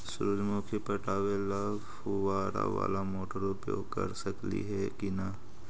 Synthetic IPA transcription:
sʊɾʊd͡ʒmʊ̃kʰipɐʈaːʋela | bhʊʋaːɾa̰ʋa̰ːlamoːʈəɾʊpjo̰ːɡ̚kɐ̰ɾsɐklḭɦɛkina

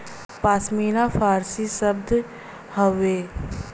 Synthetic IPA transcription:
paːsmiːɾafʰaːɾsisəbd̪ʱ | həʋeː

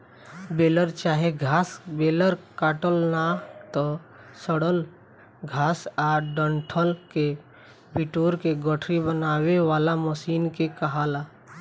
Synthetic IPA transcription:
beːləɾt͡ʃaːɦeɡʱaːsbeːləɾkaːʈəlnat̪ɔsəɽəl | ɡʱaːsaːɾɖəɳʈʰəlke | piʈoːɾkeɡəʈʰɾibənaːweʋaːlaməsiːnkekəɦaːla

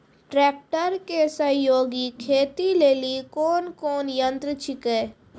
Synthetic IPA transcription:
ʈɾɛːk̚ʈəɾkesɐjoːɡikʰeːt̪ileːlikoːnkoːnjə̃nt̪ɾət͡ʃʰɪkeː

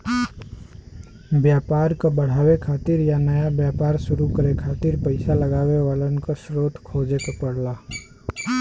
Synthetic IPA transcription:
bjaːpaːɾkabəɽ̤aːʋekʰaːt̪ɪɾjanɐjabjaːpaːɾʃʊɾukəɾekʰaːt̪ɪɾpəɪsalɐɡaːweʋaːlənkasɾoːt̪ʰkʰoːd͡ʒekapɐɽ̤laː

